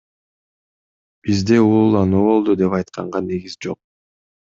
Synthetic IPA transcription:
b̥izd̪e̞uulˠɑnuːβo̞lˠd̪ud̪e̞pɑjt̪̚qʰɑɴʁɑne̞ɡizd͡ʒo̞̰q̚

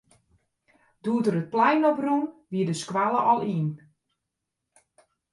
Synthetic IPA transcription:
duətəɾət̚plɛjnɔprunʋiədəskwalˠəʔɔlˠiːn

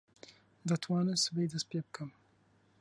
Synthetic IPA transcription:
d̪at̪ʰwanɛsvɛjd̪ɛspʲjɛp̚kʰam

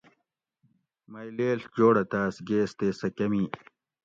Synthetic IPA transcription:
mɐjleːɬd͡ʑoːɽɐt̪aːsɡeːst̪eːsɐkɐmiː

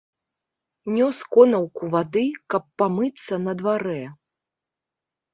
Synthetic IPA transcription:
nʲɔskɔnɐwkuvad̪ɨkɐpːamɨt̪sːɐnɐd̪vaɾɛ

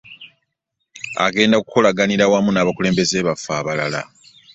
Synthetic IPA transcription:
a̰ɡe̞ːndakuko̞laɡaniɾawamunaːβakuleːmbe̞zeːβafːaːβalala̰

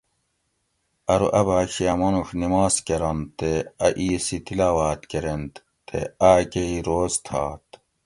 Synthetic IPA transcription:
ɐɾṵʔɐbaːkijamɐnuxnimaːskeɾɐnt̪eɐʔiːsit̪ilaːwaːt̪keɾent̪ | t̪ḛaːkeiɾoːzt̪ʰaːt̪

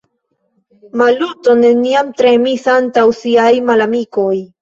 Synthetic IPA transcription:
maluto̞ne̞niamtɾe̞misantawsiajmalamiko̞j

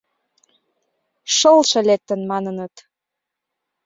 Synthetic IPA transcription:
ʃɤlʃɤ̆let̪ːə̆nmɑnənət̪

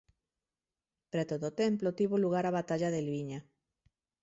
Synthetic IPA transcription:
pɾet̪oðot̪emplot̪iβoluɣ̞aɾaβat̪aʎaðelβiɲa

